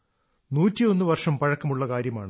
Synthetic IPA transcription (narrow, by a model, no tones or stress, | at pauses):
nuːtːio̞nːɨʋɐrʂɐmpɐɻɐkːɐmuɭːɐkaːɾjɐmaːɳɨ